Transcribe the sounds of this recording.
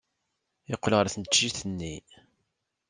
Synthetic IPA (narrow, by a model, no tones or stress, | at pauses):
ɪqːlʁəɾθənt͡ʃːiθənːi